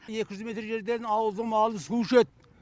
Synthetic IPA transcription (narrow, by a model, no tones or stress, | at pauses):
je̞kʲɪʒʏzme̞t̪ɾʒe̞ɾd̪e̞nɑwəlˠd̪əmɑlˠənsuʃet̪̚